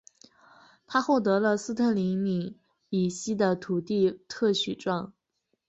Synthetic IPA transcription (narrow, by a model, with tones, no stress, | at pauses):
t̪ʰa˥xwɔ˥˩t̪ɤ˧˥lə˧sɹ̩˥t̪ʰə˥˩li˧˥mi˨˩ | i˨˩ɕi˥d̪ə˨t̪ʰu˨˩t̪i˥˧t̪ʰɤ˥˩ɕy˨˩ʈ͡ʂwɑ˥˩ŋ